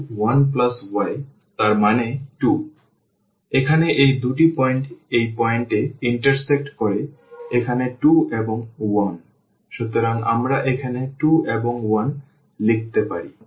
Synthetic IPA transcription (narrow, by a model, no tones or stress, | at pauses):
wanplaswae | t̪aɾmaneʈu | ekʰaneʔejd̪uʈipɔeɳʈejpɔeɳʈeiɳʈaɾsek̚ʈkoɾe | ekʰaneʈueboŋwan | ʃut̪oɾaŋʔa̰mɾaʔekʰaneʈueboŋwan | lik̚ʰt̪epaɾi